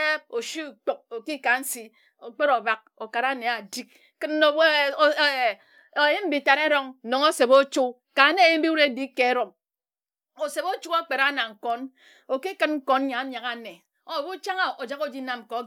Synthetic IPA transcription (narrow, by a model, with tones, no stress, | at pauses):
e˦o˨ʃi˦u˨k͡po˨k̚o˨ki˦ka˨n̩˦si˦ | o˨k͡pe˦ɾo˨ba˦k̚o˨ka˨ɾa˦˨ne˨a˨di˦k̚ | kɨ˦nː˦o˨w | o˨ji˦m̩˦bi˨ta˨ɾe˦ɾo˦ŋ̩˨no˨ŋo˦se˨bo˦t͡ʃu˦ | ka˨ne˦˨ji˦m̩˦bi˦u˦ɾe˦bi˦ke˨˦ɾo˨m | o˨se˨bo˦t͡ʃu˦ka˦k͡pe˨ɾa˦na˨ŋ̩˨kɔ˦n | o˨ki˦kɨ˦nŋ̩˦ko˦n˦ɲa˨˦ɲa˨ka˨ne˨ | o˦˨bu˦t͡ʃa˦ŋa˨o˨d͡ʒa˦ko˦d͡ʒi˦na˦m˨ko˨˦